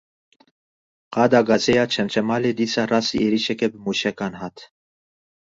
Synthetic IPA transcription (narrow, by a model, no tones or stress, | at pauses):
qɑd̪aɡɑsɛjat͡ʃʰɛnt͡ʃʰɛmalɛd̪it͡sarasiʔɛɾiʃɛkɛbmuʃɛkɑnɦɑt̪ʰ